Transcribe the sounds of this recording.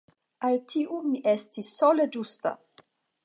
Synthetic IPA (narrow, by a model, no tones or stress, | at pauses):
alt̪ʰiʔumiʔest̪isːɔled͡ʒust̪a̰